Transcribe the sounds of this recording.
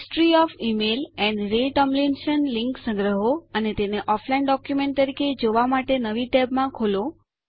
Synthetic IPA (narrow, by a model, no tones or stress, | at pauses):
sʈɾiɔfimelɛ̃nɖɾeʈəmblinʃənlɪŋksə̃ŋɡɾəɦoənet̪eneʔɔflainɖɔkjumẽɳʈ̚t̪əɾiked͡ʒoʋamaʈenəʋiʈɛbmãkʰolo